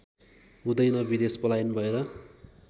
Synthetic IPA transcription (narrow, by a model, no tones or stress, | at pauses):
ɦũd̪ʌjnʌbid̪espʌlajnbʱʌeɾʌ